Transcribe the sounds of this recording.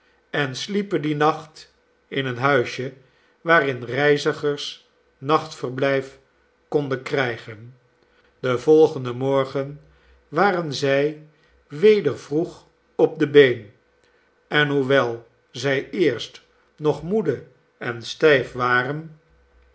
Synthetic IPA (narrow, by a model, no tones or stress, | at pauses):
ɛnslipəndinɑχt | ɪnənɦœɥʃə | ʋaːrɪnrɛjzəχəɹs | nɑχtfəɹblɛjf | kɔndənkrɛjχən | d̥əvɔlˠχəndəmɔɹχən | ʋaːrənzɛj | ʋejdəɹv̥ruχ | ɔp̚dəbejn | ɛnɦuʋɛlˠ | zɛjɪːɹst | nɔχmudə | ɛnstɛjfʋaːrən